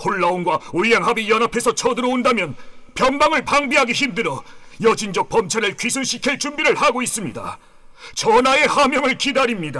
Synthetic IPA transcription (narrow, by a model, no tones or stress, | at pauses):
hoɭːaonɡwaoʎːaŋɦabijʌnapʰe̞sʰʌt͡ɕʰʌdɯɾʌndamjʌnpjʌnbaŋɯɭpaŋbiɦaɡiçimdɯɾʌjʌd͡ʑind͡ʑʌk̚pʌmt͡ɕʰaɾɯɭkɥisʰunɕʰikʰeɭt͡ɕumbiɾɯɭhaɡois͈ɯmɲida̰ | t͡ɕʌnae̞hamjʌŋɯɭkidaɾimɲida